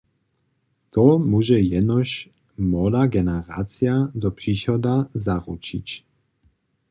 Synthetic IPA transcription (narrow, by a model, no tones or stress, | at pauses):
t̪ɔmuʒɛjɛnɔɕ | mɔlaɡɛnɛʁaːt͡sijad̪ɔpr̥iːʃɔd̪azaʁṵt͡ʃit͡ɕ